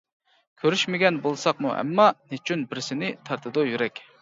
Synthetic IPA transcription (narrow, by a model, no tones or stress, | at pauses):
kʲʰøɾyʃmɪɡʲɛnbolˠsɑqmuʔɛ̰mːɑnet͡ʃʰynbɪɾsɪnɪt̪ʰɑɾt̪ʰɨd̪ojyɾɛkʲ